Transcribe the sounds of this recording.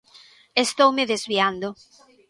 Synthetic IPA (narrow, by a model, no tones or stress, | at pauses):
est̪owmeðezβiand̪o